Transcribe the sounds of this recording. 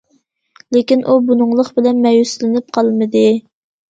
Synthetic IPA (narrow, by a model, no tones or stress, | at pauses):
lekʲinʔubunʊŋlˠəχbɪlɛnmɛjuslɪnɪp̚qʰɑlˠmɨd̪ɨ